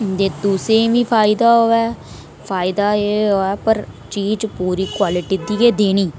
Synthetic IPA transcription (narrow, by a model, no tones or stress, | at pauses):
d̪eːd̪uːsẽʋĩːpʰaːɪd̪aːɦoɛː | pʰaːɪd̪aːeɦoːɛːpəɾ | t͡ʃiːd͡ʒpuːɾiːkwaːlɪʈiːd̪ieːd̪eːniː